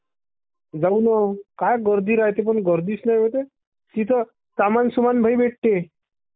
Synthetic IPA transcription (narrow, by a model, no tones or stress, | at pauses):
d͡zaunɔkajɡəɾd̪iɾaɦet̪ep̬əɳɡəɾd̪iːsnajət̪̬e | t̪it̪ə | samansumanbʱajbeʈ̚ʈ̪e